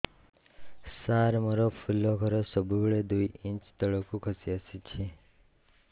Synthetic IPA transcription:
saɾmɔɾɔpʰulːɔkʰʌɾɔsɔbubeɭed̪ujĩnt͡ʃd̪ɔɭɔkukʰʌsiasit͡ʃʰe

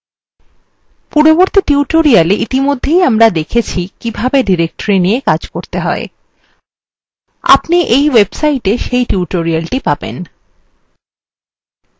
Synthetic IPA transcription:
puɾoboɾt̪iʈiuʈoɾialeʔit̪imod̪ʱːejamɾad̪ekʰet͡ɕʰikibʱabeɖiɾek̚ʈoɾinijekad͡ʑkoɾt̪eɦɔe | a̰pniʔejwebsajʈeʃejʈiuʈoɾialʈipabḛn

